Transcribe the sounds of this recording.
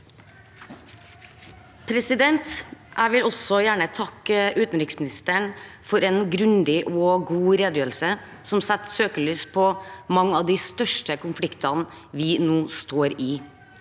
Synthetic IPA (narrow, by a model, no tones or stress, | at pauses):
pʰɾɛsɪd̪ɛnt̪ʔæɪʋɪlɔsɔjæːɳət̪ʰɑkːʉːt̪n̩ɾɪksmɪnɪst̪əɳfɔɾɛnɡɾʉnd̪ɪʔɔɡuːɾeːd̪jøːɾl̩sə | sɔmsɛt̪søːkəɭyːspʰɔmɑŋːɑʋd̪ist̪œʂʈəkʊnflɪkt̪ɑn | ʋɪnuːst̪oːɾɪ